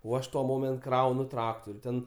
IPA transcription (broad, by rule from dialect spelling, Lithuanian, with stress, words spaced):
oː ˈɐʃ tuɔ ˈmoːmʲɛnt ˈkrɐʊnʊ ˈtrɑːktʊrʲ tʲɛn